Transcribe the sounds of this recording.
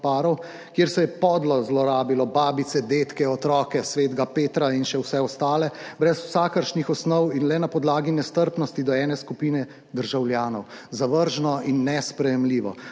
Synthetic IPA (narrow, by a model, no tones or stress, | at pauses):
paːɾɔw | kjeːɾsɛjɛpɔd̪lɔzlɔɾaːbilɔbaːbit̪sɛd̪eːt̪kɛɔt̪ɾɔkɛsʋeːd̪ɡapeːt̪ɾainʃɛwsɛɔst̪aːlɛbɾɛsw̥saːkəɾʃnixɔsnɔwinlɛnapɔd̪laːɡinɛst̪əɾpnɔst̪id̪ɔɛːnɛskupiːnɛ | d̪əɾʒawljaːnɔwzaʋəɾʒnɔinːɛspɾɛjɛmliːʋɔ̰